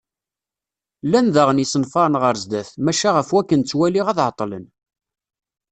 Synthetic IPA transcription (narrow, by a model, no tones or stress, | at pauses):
lænðæʁənisənfɑɾˤənʁəɾzd̪æθmæʃæʁəfwækːənt͡sːwæliʁæðʕət̪ˤːlə̰n